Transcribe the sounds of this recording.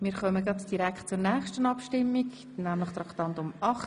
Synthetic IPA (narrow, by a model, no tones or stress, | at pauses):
miːɾχœməɡɾɑdd̥iɾækχt̚t͡sʊrnɛːχʃtənɑpʃtɪmːiɡ | næmlɪχt̪ɾɑkt̪ɑnt̪ʊmɑχ